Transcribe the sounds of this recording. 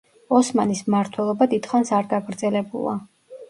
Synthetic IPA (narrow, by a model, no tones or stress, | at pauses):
ɔsmanismaɾt̪ʰwɛlˠɔbad̪it̪χansaɾɡaɡɾd̪zɛlɛbṵlˠa̰